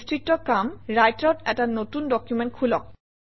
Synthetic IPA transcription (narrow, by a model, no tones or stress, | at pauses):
stɹitːɔkamɹajtɔtɛtanotundɔkjumɛntkʰulɔk̚